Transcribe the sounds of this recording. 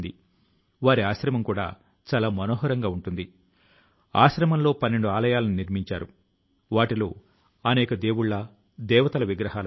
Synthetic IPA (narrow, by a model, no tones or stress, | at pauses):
d̪i | ʋaːɾiaːʃɾɐmɐmkuːɽa̰ː | t͡ʃaːlaːmɐno̞ːɦɐɾɐŋɡaːuɳʈund̪i | a̰ːʃɾɐmɐmlo̞ːpɐnːe̞ɳɖuaːlɐjaːlɐniniɾmiɲt͡ʃa̰ːɾṵ | ʋaːʈiloː | ɐnɛːkɐd̪e̞ːwuɭːɐ | d̪ɛːʋɐt̪ɐlɐʋiɡɾɐɦaːlɐ